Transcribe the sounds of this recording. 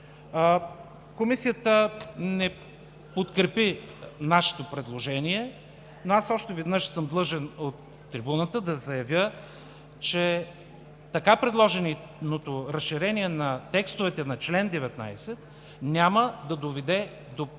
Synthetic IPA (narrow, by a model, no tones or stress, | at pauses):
komisijət̪ənɛ | pot̪kɾɛpi | naʃɛ̥t̪opɾɛd̪lˠoʒɛniɛ | noasɔʃt̪ɛvɛd̪nɤʃsɤmd̪lˠɤʒɛnot̪ːɾibunət̪əd̪ɐzɐjɐvʲjə | t͡ʃɛ | t̪ɐkapɾɛd̪lˠɔʒɛni | not̪oɾɐsʃiɾɛniɛnɐt̪ɛkst̪ovɛt̪ɛnɐt͡ʃlɛnd̪ɛvɛt̪na̰jsɛt̪̚ | nʲaməd̪ɐd̪ovɛd̪ɛ | d̪o